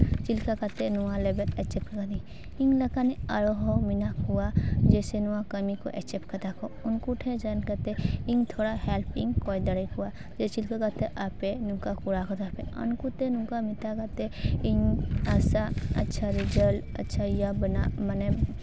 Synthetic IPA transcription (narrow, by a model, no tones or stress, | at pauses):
t͡ʃilkakat̪enuwalebet̪ɛt͡ʃep̚kkad̪i | iŋlɐkaniɐɾoɦɔminakɦuwad͡ʒesenuwakɐmiko̰ʔɛ̰t͡ʃepkɐt̪akʰɔunkuʈʰẽd͡ʒankət̪eiŋt̪ʰoɽahɛlpiŋkɔjd̪ɐɾəjkua | d͡ʒet͡ʃilkakat̪eʔapenũkakuɾakɔt̪apeɐ̰nkut̪enũkamit̪akat̪eiŋasaɐ̰tːʃʰaɾid͡ʒəl | ɐ̰tːʃʰajabɐnamɐne